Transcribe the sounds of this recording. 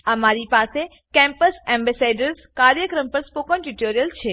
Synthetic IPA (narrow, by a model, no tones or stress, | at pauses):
ɐmaːɾipaːse | kɛ̃mpəsɛ̃ːmbɛseːɖəɾskaːɾjəkɾəmpɐɾspoːkə̃nʈuʈoːɾijəlt͡ʃʰeː